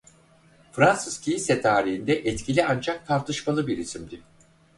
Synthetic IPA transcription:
fɾansɯz̥cʰijisɛt̪ʰaːɾiɦind̪ɛʔɛt̪cʰilʲiand͡ʒak̚t̪ʰaɾt̪ʰɯʃmalˠɯbiɾisimd̪i

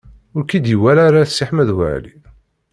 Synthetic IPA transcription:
ʊɾkid̪jəwælaɾasːiħmæðwə̰ʕlḭ

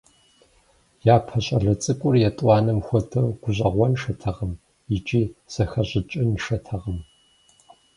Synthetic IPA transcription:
jaːpʰɐɕʼɐɮɐt͡sʼɨkʷʼʊrjɛtʼwɑːnɨmxʷɔtʰɐrɡ̥ʷʊʑʼɐʁʷɔnʂɐtʰɐʁəm | it͡ʃʼiːsɐxɐʑʷɪt͡ʃʼɪnʃɐtʰɐʁɐm

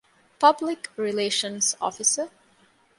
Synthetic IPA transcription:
pʰʌblɪkɹileʃə̃nsɔ̰fɪsə

